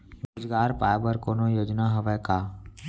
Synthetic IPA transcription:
ɾoːd͡ʒɡaːɾpaːjbəɾkoːnoːjoːd͡ʒnaːɦəʋɛːkaː

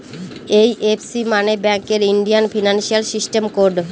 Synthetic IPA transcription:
ejʔepsimanebɛŋkeɾiɳɖijanfʰinanʃialsisʈemkoɾɖ

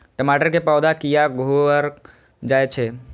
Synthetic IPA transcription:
ʈəmaːʈəɾkepaːwd̪ʱakijaɡʱoəɾ | d͡ʒaːjt͡ʃʰe

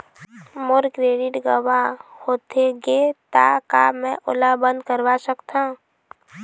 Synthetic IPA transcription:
mʊɾkɾeːɖɪʈɡəwahoːt̪eɡet̪a̰kamɛ̃ʔʊ̰labə̃nd̪̚kəɾwasəkt̪ã

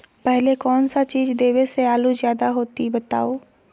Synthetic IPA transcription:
pɛɦlekɔːnsat͡ʃiːzd̪eːʋeseaːluzjaːd̪aɦoːt̪ibɐt̪a̰ːoː

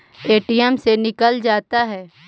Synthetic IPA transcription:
eːʈijɛmsenɪkəld͡ʒaːt̪aɦɛː

